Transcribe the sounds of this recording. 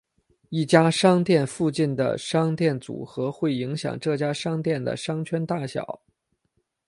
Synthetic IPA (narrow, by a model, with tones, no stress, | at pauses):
i˥˩t͡ɕja˥ʂɑ˥ŋt̪jɛ˥˧nfu˥˧t͡ɕi˥˩nd̪ə̰˩ʂɑ˥ŋt̪jɛ˥˩nt͡sṵ˨˩xɤ˧˥xwe˥˩ɪi˧˥ŋɕjɑ̰˨˩ŋʈ͡ʂɤ˥˩t͡ɕja˥ʂɑ˥ŋt̪jɛ˥˩nd̪ə̰˩ʂɑ˥ŋt͡ɕʰɥɛ˥nt̪a˥˩ɕjɑ̰˨˩˦ʊ